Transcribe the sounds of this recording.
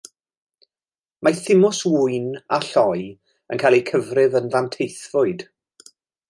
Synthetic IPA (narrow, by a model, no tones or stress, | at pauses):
maθɪmɔswʊɨnaɬɔj | ə̰nkʰajlˠikʰəvrɪvənvantʰejθvʊɨd̥